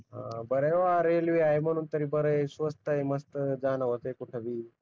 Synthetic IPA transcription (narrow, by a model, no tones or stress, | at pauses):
ɦã̰bəɾəjʋaɾelʋiajməɽ̃uːnt̪əɾiːbəɾəesʋəst̪əeməst̪əd͡zaːnaʋət̪ekuʈʰəʋiː